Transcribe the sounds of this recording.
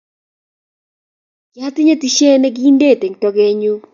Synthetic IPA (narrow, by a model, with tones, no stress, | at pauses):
ɡa˦t̪ɪ˦ɲe˦ti˦ʃe˦nɛ˦ɡi˦nde˦˨te˨ŋtɔ˦ɡe˦ɲu˦